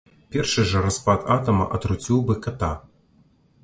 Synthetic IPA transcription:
pʲɛrʂɨʐɐɾɐspat̪at̪ɐmɐ̰ʔɐt̪ɾut͡sʲiwbɨkɐt̪a

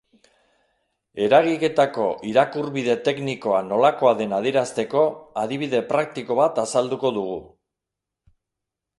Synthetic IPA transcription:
e̞ɾaɣ̞ike̞t̪ako̞ʔiɾakuɾβiðe̞t̪e̞kniko̞ano̞lako̞aðe̞nað̞eɾast̪e̞ko̞aðiβ̞iðe̞pɾak̚t̪iko̞βat̪asald̪uko̞ðuɣ̞u

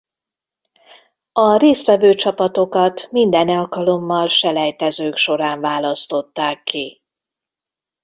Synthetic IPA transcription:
ɒreːst̪ʋɛvøːt͡ʃɒpɒt̪o̞kɒt̪mind̪ɛnɒlkɒlo̞mːɒlʃɛlɛjt̪ɛzøːkʃo̞ɾaːɱvaːlɒst̪o̞t̪ːaːkːi

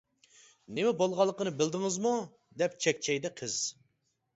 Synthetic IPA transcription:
nɪmɛbolˠʁɑlˠːəqənɨbɪld̪ɪŋɨzmu | d̪ɛp̚t͡ʃʰɛkʲt͡ʃʰɛjd̪ɛqʰəz̥

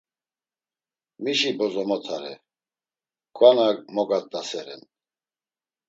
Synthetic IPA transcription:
miʃibɔzɔmɔt̪ʰaɾɛ̰ | kʰʼwanakmɔɡat̪ʼːasɛɾɛ̰n

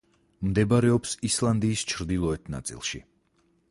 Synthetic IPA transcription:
md̪ɛbaɾɛɔpsislˠand̪iːst͡ʃʰɾd̪ilˠɔɛt̪ʰna̰t̪sʼḭlˠʃḭ

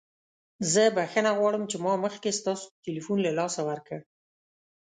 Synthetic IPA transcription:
zəbaxənaɣwɑɽəmt͡ʃemɑməxkest̪ɑso̥d̪əʈilifunlalɑsawaɾkə

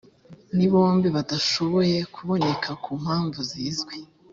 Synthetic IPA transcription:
niβo̞ːmbiβadaʃo̞βo̞je̞kʰuβo̞ne̞kʰakuːm̥haːɱvuziːzɡwe̞

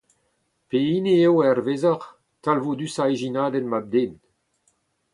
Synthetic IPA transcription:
peineewɛrvezaʁ | talvod̪ysaeʒinaːdɛnmab̚d̪eːn

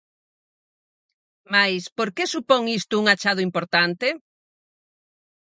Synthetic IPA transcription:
majspoɾkesupoŋist̪ʊuŋat͡ʃað̞ʊimpoɾt̪ant̪e

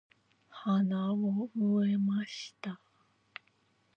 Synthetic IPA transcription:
hanaomɯemaɕi̥t̪a

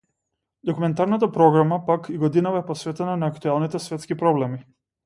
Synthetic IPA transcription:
d̪ɔkumɛnt̪aɾnat̪apɾɔɡɾamapakʰiɡɔd̪inavaɛpɔsvɛt̪ɛnanaːkt̪ualˠnit̪ɛsvɛt̪skipɾɔblɛmi

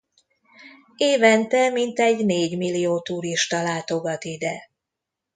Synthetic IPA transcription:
eːvɛnt̪ɛmint̪ɛɟneːɟmilːijoːt̪uːɾiʃt̪ɒlaːt̪o̞ɡɒt̪id̪ɛ

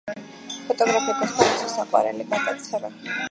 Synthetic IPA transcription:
pʰɔt̪ʼɔɡɾapʰɛt̪ʰasχʰaɾisʰɔsaqʼwa̰ɾɛ̰liɡad̪at̪sʰχɛba

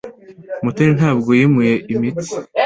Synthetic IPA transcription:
mutuɾinhɦaːbɡojimujeʔimiti̥

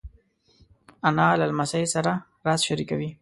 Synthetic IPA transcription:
analalmasasaɾa | ɾɑsʃaɾikawi

